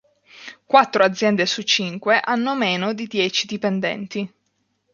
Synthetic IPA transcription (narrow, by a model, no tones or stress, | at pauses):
kwat̪ːɾoad̪zːjɛnd̪esut͡ʃːiŋkweʔanːomeːnod̪id̪jɛːt͡ʃid̪ipɛnd̪ɛ̰nt̪i